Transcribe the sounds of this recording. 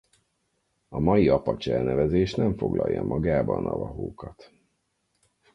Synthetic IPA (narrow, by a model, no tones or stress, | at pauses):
ɒmɒjiɒpɒt͡ʃɛlnɛvɛzeːʃnɛɱfo̞ɡlɒjːɒmʔɒɡaːbɒnɒvɒɦoːkɒt̪